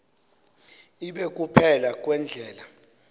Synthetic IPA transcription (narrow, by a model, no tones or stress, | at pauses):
iɓek̬ʼupʰɛlak̬ʼwɛnd͡ɮʱɛːla